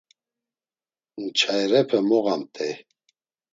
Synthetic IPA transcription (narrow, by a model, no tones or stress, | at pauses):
nt͡ʃʰajɾɛpʰɛmɔɣamt̪ʰɛ